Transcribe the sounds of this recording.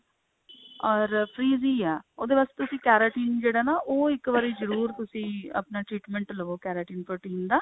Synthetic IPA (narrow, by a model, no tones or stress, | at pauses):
ɔːɾpʰɾiːziːɛːoːd̪eːʋaːst̪eːt̪ʊsĩːkɛːɾaːʈiːnd͡ʒeːɽaːnaːʔoːɪkʋaːɾiːzəɾuːɾt̪ʊsĩːə̰pnaːʈɾiːʈmɛ̃ɳʈləʋoːkɛːɾaːʈiːnpəɾʈiːmd̪aː